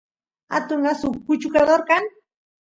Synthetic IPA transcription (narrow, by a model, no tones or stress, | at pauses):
a̰t̪ʊɴɢasʊkʊt͡ʃʊkad̪oɾkaŋ